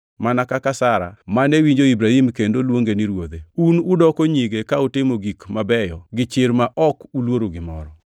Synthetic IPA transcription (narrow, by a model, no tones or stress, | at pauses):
manakakasaɾa̰manewiɲd͡ʒoibɾahimkendolwoŋɡeniɾwod̪eunudɔkoɲiɡekautɪmoɡikmabɛjɔɡɪt͡ʃɪɾmaʔɔkulwoɾoɡɪmɔ̰ɾɔ